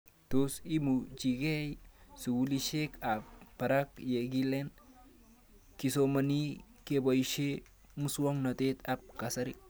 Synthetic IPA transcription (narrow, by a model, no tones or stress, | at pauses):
t̪osimud͡ʒiɡejsuwuliʃekap̚bɐɾakjeɡilen | kisomɐni | keboiʃe | muswoŋnɐt̪et̪ap̚kɐsɐɾi